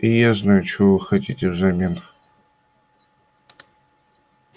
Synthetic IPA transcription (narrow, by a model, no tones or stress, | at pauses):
ijaznajut͡ʃʰuvɨxɐtʲit̪ʲɪvzɐmʲen